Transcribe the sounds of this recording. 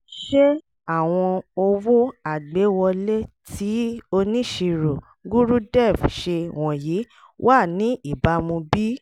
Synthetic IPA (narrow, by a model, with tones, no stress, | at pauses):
ʃe˦ | a˦˨w̃ɔ̃˧o˧wo˦a˦˨ɡ͡be˨˦wɔ˧le˦tʰi˨˦o˧nĩ˦ʃi˧ɾu˨ | ɡu˦ɾu˦dɛ˦˨fʃe˧w̃ɔ̃˨ji˨˦ | wʔa˦˨nĩ˨˦i˦˨ba˨˦mũ˧bi˦